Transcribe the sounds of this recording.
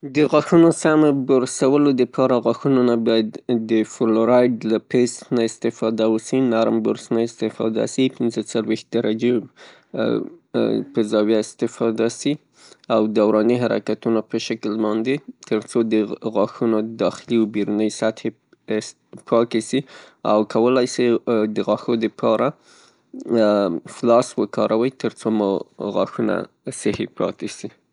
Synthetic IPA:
d̪əɣɑxunosamaboɾsawəlod̪əpʰɑɾaɣɑxunonabɑjad̪ːəfʊloɾɑjɖlapest̪naɪst̪ɪfɑd̪awəsinaɾmbʊɾsnaɪst̪ɪfɑ̰d̪a̰sipɪnzət͡salwext̪̚d̪aɾad͡ʒe | pəzɑwjaɪst̪ɪfɑd̪asi | awd̪awɾɑniɦaɾa̰kat̪unapəʃaklbɑnd̪et̪ʰəɾt͡sod̪əɣɑxunod̪ɑxɪliwbiɾunəjsat̪he | pʰɑt̪esia̰wkʰawəlajsid̪əɣɑxod̪əpʰɑɾʔa | flɑswəkɑ̰ɾʔawəjt̪əɾt͡somɣɑxuna̰ | sɪhepɑ̰t̪esi

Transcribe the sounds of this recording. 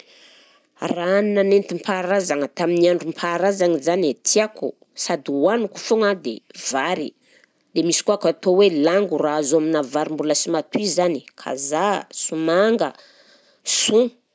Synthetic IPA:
rannanent̪impʰaɾazaŋat̪aminiaɳɖ͡ʐumpʰaɾazaŋizanet̪ʰiaku | sad̪iwanuku̥fuŋad̪ḛv̥aɾḭ | lemisi̥kuakat̪owelaŋɡuraazoaminavaɾimbuləsimat̪uizani̥kʰa̰zasumaŋɡə̰ | su

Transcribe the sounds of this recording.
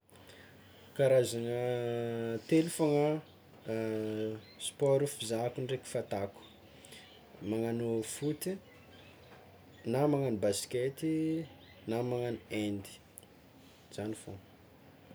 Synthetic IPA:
kaɾazanə | t̪elufaŋə | spɔɾifizakuɳɖ͡ʐeki̥fat̪aku̥ | maŋanofut̪i | namaŋanibasket̪i | namaŋaniend̪i̥ | z̥anifo

